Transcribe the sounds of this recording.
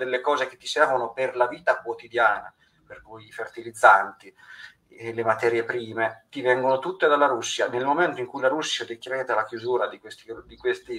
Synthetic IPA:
d̪elːekɔːzeket̪ːisɛrvonoperlaviːt̪akwot̪id̪jaːna̰ | perkujifert̪ilid̪zːant̪i | lemat̪ɛːɾjepɾiːmet̪ivɛŋɡonot̪ut̪ːed̪alːaɾusːjanelmoment̪oiŋkujlaɾusːjad̪ekːɾɛːd̪elakjuzuːɾad̪ikwest̪id̪ikwest̪i

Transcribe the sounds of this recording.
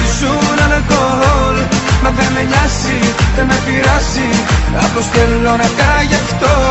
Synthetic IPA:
isunɐnɐkoɦolmɐvemeʎɐsitemepiɾɐsiɐ̰post̪elːonɐkɐʝɐft̪o

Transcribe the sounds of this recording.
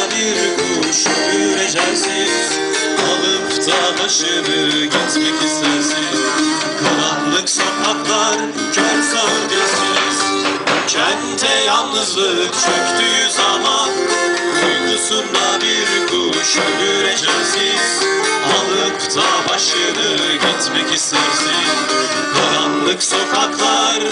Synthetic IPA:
biɾkʰu | ʃølyɾed͡ʒæjsi | z̥ | alˠɯpt̪ʰabaʃɯɾɯɡɛt̪cʲikisæɾsiz | kʰɯlˠanlˠɯksakaklˠaɾ | t͡ʃʰøɾsaɯd̪eɾsinz̥ | cʰɛnt̪ʰɛjalˠnɯzlˠɯt͡ʃʰøkt̪ʰyjyzaman | ujnusund̪abiɾkʰu | ʃyløɾed͡ʒɛsi | z̥ | alˠɯkt̪ʰabaʃlˠad̪ɯ | ɟɛt̪mɛcist̪ʰeɾsinn | kʰalˠanlˠɯkso̞kʰaklˠaɾ

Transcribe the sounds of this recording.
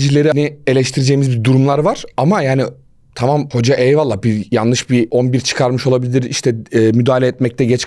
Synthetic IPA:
d͡ʒilʲe̞ɾinie̞lʲɛʃt̪ʰiɾid͡ʒejimizbiɾd̪uɾumlˠaɾvaɾ̥amajaːni | t̪ʰamamho̞d͡ʒaʔɛjvalˠːabijanlˠɯʃbiʔonbiɾt͡ʃʰɯ̥kʰaɾmɯʃo̞lˠabilʲiɾiʃt̪ʰɛɛːmyd̪aːlʲeɛt̪mɛc̚t̪ʰɛɟɛt͡ʃ

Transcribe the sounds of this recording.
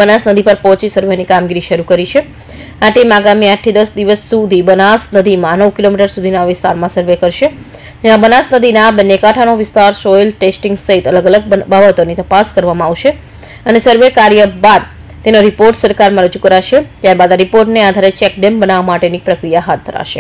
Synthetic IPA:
bənasnəd̪ʱipəɾpɔɦt͡ʃisəɾʋenikamɡiɾiʃəɾukəɾit͡ʃʰe | aʈimaɡamiaʈʰːid̪əsd̪iʋəsːud̪ʱibənasnəd̪ʱimãnəʋkilomiʈəɾsud̪ʱinaʋɪst̪aɾmãsəɾʋekəɾʃe | d͡ʒãbənasnəd̪ʱinabənjekaʈʰanoʋɪst̪aɾsɔjlʈesʈiŋɡsəɦit̪ələɡələɡ̚babət̪onit̪əpaskəɾʋamãaʋʃe | ənesəɾʋekaɾjəbad̪ | t̪enoɾipoɾʈsəɾkaɾmãɾəd͡ʒukəɾaʃet̪jaɾbad̪aɾipoɾʈnead̪ʱaɾet͡ʃɛkɖembənaʋmaʈenipɾəkɾijaɦat̪̚d̪ʱəɾa̰ʃe

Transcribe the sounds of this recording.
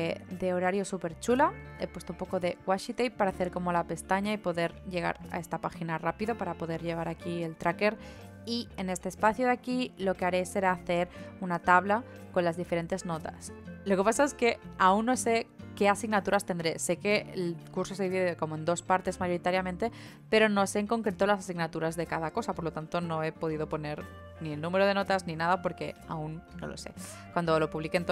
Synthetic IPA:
d̪e̞o̞ɾaɾjo̞supe̞ɾt͡ʃulae̞pwe̞st̪oumpo̞ko̞ðe̞ɣwaʃit̪ejpaɾaθe̞ɾko̞mo̞lape̞st̪aɲaipo̞ðe̞ɾʎe̞ɣ̞a̰ɾa̰e̞st̪apaxinarapiðo̞paɾapo̞ðe̞ɾʎe̞β̞aɾakie̞lt̪ɾake̞ɾ | iene̞st̪eːspaθjo̞ðakilo̞ke̞aɾe̞se̞ɾaːθe̞ɾunat̪aβla | ko̞nlazðife̞ɾe̞nt̪e̞zno̞t̪aslo̞ke̞pasae̞ske̞aunːo̞se̞ke̞asiɣnat̪uɾast̪e̞nd̪ɾe̞se̞ke̞elkuɾsos̬e̞ðiβiðeko̞moe̞nd̪o̞spaɾt̪e̞zmaʝo̞ɾit̪aɾjamẽnt̪e̞ | pe̞ɾo̞no̞seːŋko̞ŋkɾet̪o̞lasasiɣnat̪uɾazðe̞kaðako̞sapoɾlot̪ant̪o̞no̞e̞po̞ð̞iðo̞po̞ne̞ɾ | nielnũme̞ɾoð̞e̞no̞t̪azninaðapo̞ɾke̞̰aunːo̰lo̞̰se̞̰ | kwand̪o̞lo̞puβlikent̪

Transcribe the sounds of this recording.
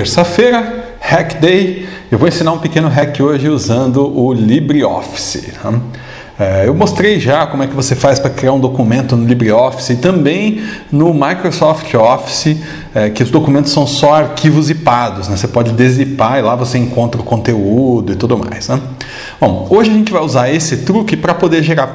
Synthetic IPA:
t̪eɾsɐfejɾɐ | hɛkd̪ej | ewvoẽsĩnaɾũpɪkẽnʊɦɛkɪoʒɪuzɐ̃nd̪ʊʔʊlibɾiɔ̰fi̥sɪ̰nɛ̃ | ɛewmost̪ɾejʒakõmʊɛkɪvosefajspɾɐkɾiaɾũd̪okumẽnt̪ʊnʊlibɾiɔfi̥sɪt̪ɐ̃mbẽj̃nʊmajkɾosɔft͡ʃɪɔfi̥sɪ | ɛkɪʊzd̪okumẽnt̪ʊsːɐ̃w̃sɔaɾkʰivʊzipad̪ʊsnɛsepɔd͡ʒɪd̪ezipaɾɪlavoseẽŋkõnt̪ɾɐʊkõnt̪eud̪ʊɪt̪ud̪ʊma̰jsnɛ | b̥õw̃oʒɪɐʒẽnt͡ʃɪvajuzaɾesɪt̪ɾukɪpɾɐpod̪eɾʒeɾaɾ

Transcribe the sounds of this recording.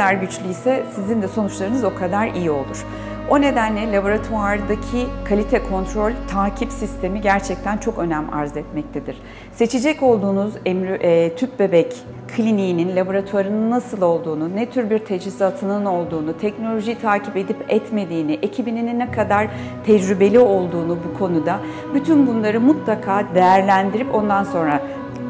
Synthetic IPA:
aɾɟyt͡ʃlʲyisɛsizind̪ɛso̞nut͡ʃlˠaɾɯnɯzo̞kʰad̪aɾijio̞̰lˠuɾ̥ | o̞ne̞d̪ænlʲɛlʲabo̞ɾat̪ʰuaɾd̪acʰikʰalʲit̪ʰɛkʰo̞nt̪ʰɾo̞lʲt̪ʰaːcʰipsist̪ʰe̞miɟæɾt͡ʃʰɛc̚t̪ʰænt͡ʃʰo̞kø̞næma̰ɾzɛt̪mɛc̚t̪ʰed̪iɾ̥ | se̞t͡ʃʰid͡ʒɛco̞lˠd̪uːnuzɛmːt̪ʰyp̚be̞bɛc | kʰlʲiniːninlʲabo̞ɾat̪ʰwaɾɯnɯnːasɯlˠo̞lˠd̪uːnunɛt̪ʰyɾbiɾt̪ʰed͡ʒizat̪ʰɯnɯno̞lˠd̪uːnut̪ʰɛcno̞lʲo̞ʒijt̪ʰaːcʰipe̞d̪ipɛt̪me̞d̪iːniʔe̞cʰibinininːɛkʰad̪aɾ̥ | t̪ʰɛd͡ʒɾybe̞lʲio̞lˠd̪uːnubukʰo̞nud̪a | byt̪ʰynbunlˠaɾɯmut̪lˠakʰaːd̪e̞jæɾlʲænd̪iɾipo̞nd̪anso̞nɾa

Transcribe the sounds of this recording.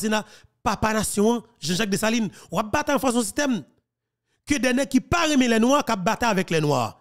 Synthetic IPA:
sina | papanasjɔ̃ɐ̃ | ʒɑ̃ʒak̚desalinwap̚bat̪ɛɐ̃fãs̬ɔ̃sist̪ɛm | kødɛnɛkipaɣemẽlɛnũakap̚bat̪aavɛklɛnw̃a̰

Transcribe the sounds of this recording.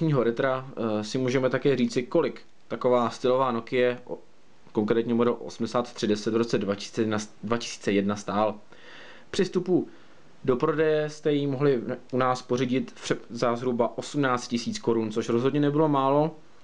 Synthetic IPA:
ɲiːɦo̞ɾɛt̪ɾasɪmuːʒɛmɛt̪akɛːriːt͡sɪko̞lɪk | t̪ako̞vaːst̪ɪlo̞vaːno̞kɪjɛ | ko̞ŋkɾɛːt̪ɲɛmodɛlʔo̰sm̩dɛsaːt̪t̪r̥ɪdɛsɛt̪vɾo̞t͡sɛadvacɪ̥si̥ːt͡sɛjɛdnast̪aːl | pr̝̥ɪst̪upu | do̞pɾo̞dɛjɛst̪ɛjimoɦlɪunaːspo̞riɟɪt̪pɛzazɦɾubaʔo̞sumnaːt͡st̪̚cɪsiːt͡sko̞ɾunt͡so̞ʃɾozɦo̞dɲɛnɛbɪlo̞maːlo̞

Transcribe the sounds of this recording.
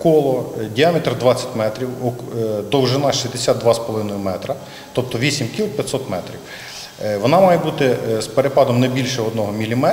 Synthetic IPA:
kɔlˠɔdʲiɑmet̪ɾd̪ʋɑt͡sʲɐ̥tʲmɛt̪ɾʲiwɔd̪ɔwʒɪnɑʃʲizʲd̪esʲad̪̚d̪ʋɑspɔlˠɔʋɪnɔjʊmɛt̪ɾɐ | t̪ɔp̚t̪ɔʋʲisʲimkʲilˠpʲjɐt̪ʲsɔt̪mɛt̪ɾʲiw | ʋɔnɑmɑjɛbut̪ɪspeɾepɑd̪ɔmnɛbʲilʲʃɛɔd̪nɔɦɔmʲilʲimɛ

